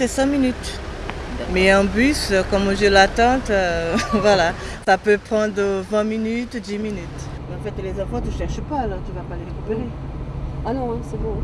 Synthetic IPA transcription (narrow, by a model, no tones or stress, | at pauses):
sɛsɛ̃minyt̪ | mɛɛ̃bysøkɔmɔ̃ʒɛlat̪ɑ̃t̪øvwala | sapøpχɑ̃d̪ʁəvɛ̃minyt̪ud̪iminyt̪ | mɛɑ̃fɛt̪lezɑ̃fɔ̃t̪yʃɛʁʃəpaːlɔʁt̪yvapaleʁekypeʁe | anɔ̃ɛ̃sɛbõ